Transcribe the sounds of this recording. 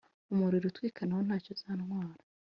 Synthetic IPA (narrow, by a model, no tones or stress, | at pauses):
umuɾiɾutwiːkʰanaho̞n̥haːcozaːnwaːɾa